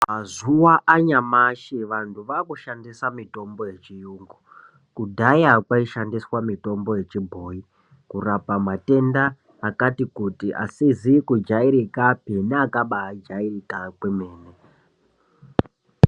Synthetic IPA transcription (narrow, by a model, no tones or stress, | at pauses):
mazuwaʔaɲamaʃiʋantʰuʋakuʃandisamito̞mbo̞je̞t͡ʃijuːŋɡu | kudʱajakwaiʃandiswamito̞mbo̞je̞t͡ʃibʱo̞ːi | kurapamate̞ndaː | katikutiʔa̰sizikud͡ʒaiɾikapineakaɓaːd͡ʒairikakwemeːne